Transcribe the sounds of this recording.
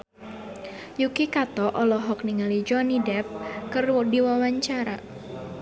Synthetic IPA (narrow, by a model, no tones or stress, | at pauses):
jukikat̪ɔʔɔlɔɦɔk̚niŋalid͡ʒɔnidɛp̚kərdiwawaɲt͡ʃaɾa